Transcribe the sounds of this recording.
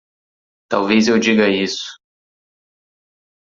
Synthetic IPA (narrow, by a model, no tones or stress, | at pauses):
t̪a̰wvezewd͡ʒiɡɐisʊ̥